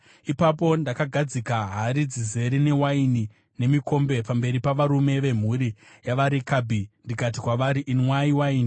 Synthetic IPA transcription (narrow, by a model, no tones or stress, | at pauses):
ipap̬o̞ndakaɡʱad͡zikaɦaɾid͡zize̞ɾinewaini | ne̞miko̞mbe̞pambe̞ɾipaʋaɾume̞ʋe̞m̤uɾi | jaʋaɾikabʱindikat̬ikwaʋaɾiʔinwaiwaini